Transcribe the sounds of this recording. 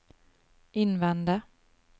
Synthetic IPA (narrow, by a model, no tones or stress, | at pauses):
ɪnːvɛnd̪a